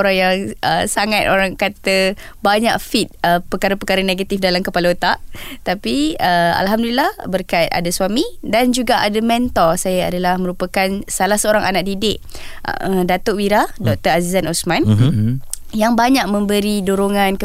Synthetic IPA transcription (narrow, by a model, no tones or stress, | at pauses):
oɾaŋjaŋəsaŋat̪oɾaŋkat̪ə | baɲaʔfit̪̚əpəkaɾapəkaɾəneɡat̪ifdalamkəpalot̪aʔt̪apiəa̰lɦamdulilahbərkait̪̚a̰daswamidand͡ʒuɡaʔadamɛnt̪ɔsajaadalahmə̃ɾupakansalahsəoɾaŋʔanaʔ̚didɪʔ | dat̪oʔwiɾadɔk̚t̪əazizanosmãn | jaŋbaɲaʔ̚mə̃mbəɾiduɾoŋãnkə